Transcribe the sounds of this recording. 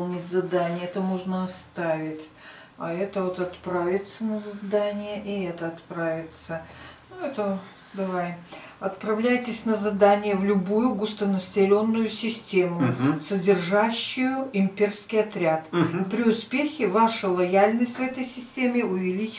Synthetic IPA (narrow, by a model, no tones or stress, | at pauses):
nʲɪtʲzɐd̪anʲɪjəɛt̪əmoʐnəɐst̪avʲɪtʲ | ɐɛt̪əvot̪ɐt̪pɾavʲɪt̪sənəzɐd̪anʲɪjəʔɪɛt̪əɐt̪pɾavʲɪt̪sənuɛt̪ə | d̪ɐvajɐt̪pɾɐvlʲæjtʲɪsʲnəzɐd̪anʲɪjəvlʲʊbujʊɡʊst̪ənəsʲɪlʲo̞nːʊjʊsʲɪsʲtʲemʊʊsədʲɪrʐaɕːʊjʊɪmʲpʲe̞rskʲɪjɐt̪ɾʲat̪pɾʲɪʊspʲexʲɪvaʂəlˠɐjalʲnəsʲtʲvɛt̪əjsʲɪsʲtʲemʲɪʊvʲɪlʲit͡ɕ